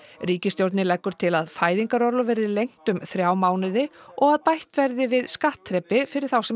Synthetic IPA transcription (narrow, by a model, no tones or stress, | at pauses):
ɾiːcɪst̪jowɾt̪nɪlɛkːʏɾ̥t̪ʰɪlaðfaːjðiŋkaɾɔɾlʏvɛɾɪlejŋ̥t̪ʏmθɾjaːwmaːwnɪðɪɔɣaðpajht̪vɛɾðɪvɪðskaht̪ʰːɾɛpːɪfɪɾɪɾ̥θawsɛ